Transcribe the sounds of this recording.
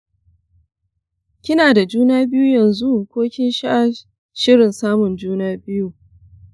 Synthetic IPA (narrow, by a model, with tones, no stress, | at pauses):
kʲɪ˦naː˨da˨d͡ʒuː˦naː˦bɪ˦juː˦jɐ˨nzu˦kʷoː˦kʲɪ˦nʃa˦ʔa˦ | ʃɪ˦ɽɪ˨nsaː˦mʊ˨nd͡ʒuː˦naː˦bɪ˦ju˨